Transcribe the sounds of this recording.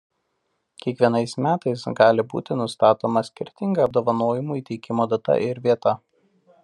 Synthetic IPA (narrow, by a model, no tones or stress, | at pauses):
kʲiɛkʋʲiɛnɐɪsmʲæːt̪ɐɪsɡɑːlʲɪbṵːt̪ʲɪnʊst̪ɑːt̪oːmɐsʲkʲɪɾʲt̪ʲɪŋɡɐːb̚d̪oːʋɐnoːjɪmuːiːt̪ʲɛɪkʲɪmoːd̪ɐt̪ɐ̰ʔɪɾʲʋʲiɛt̪ɐ